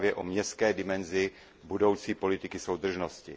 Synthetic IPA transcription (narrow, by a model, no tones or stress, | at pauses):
vjɛʔomɲɛst̪̚kɛːdɪmɛnzɪ | budo̞wt͡siːpo̞lɪt̪ɪkɪso̞wd̪r̩ʒnoscɪ̰